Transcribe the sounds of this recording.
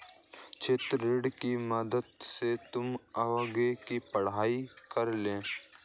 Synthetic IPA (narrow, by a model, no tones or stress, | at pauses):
t͡ʃʰeːt̪ɾɪɖkiməd̪əd̪̚set̪ʊmɐʋəɡekipɐɽ̤aːikɐɾlẽː